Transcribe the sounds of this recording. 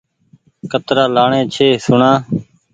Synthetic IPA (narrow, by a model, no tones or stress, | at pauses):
kət̪ɾaːlaːɳẽːt͡ʃʰeːsʊɳãː